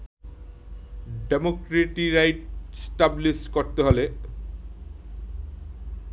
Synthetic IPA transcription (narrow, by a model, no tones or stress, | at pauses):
ɖemokɾeʈiɾajʈ̚sʈablisʈkoɾt̪eɦole